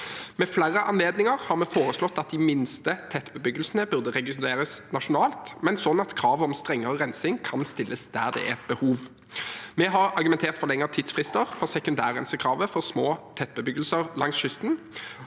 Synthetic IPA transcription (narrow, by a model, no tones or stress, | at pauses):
mɛflæʁəʔɑnleːd̪nɪŋəʁhɑʁmɛfoːʁəslɔt̪ːɑt̪̚d̪ɪmɪnst̪ət̪ʰɛt̪ːbəbʏɡəlsənəbʉʁd̪əʁɛɡɪeːɾəsnɑʂʊnɑːlt̪mɛnsɔnːɑt̪kʰɾɑːʋɔmst̪ʁɛŋːəʁəʁɛnsɪŋkʰɑnst̪ɪlːəsd̪æ̰ːʁd̪ɛ̰ʔæʁbəhuːʋ | mɛɦɑʁɑʁɡʉmɛnt̪ʰeːʁt̪fɔʁlɛŋːəʁt̪ʰiːd̪sfʁɪst̪əʁfɔʁsɛkʉnd̪æːʁɛnsəkʰɾɑːʋəfɔʁsmoːt̪ʰɛt̪̚ːbəbʏɡəlsəʁlɑŋsʃʏst̪n̩